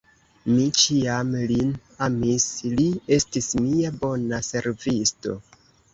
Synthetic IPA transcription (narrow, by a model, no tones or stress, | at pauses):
mit͡ʃiamlin | amislie̞stismiabo̞nase̞ɾvisto̞̰